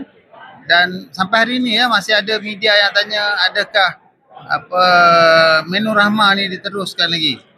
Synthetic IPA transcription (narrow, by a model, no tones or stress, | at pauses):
dansampajɦaɾiːnijamasɪɦadamidiajaŋt̪aɲaadakah | a̰pə | menuɾahmanidit̪əɾʊskanlaɡi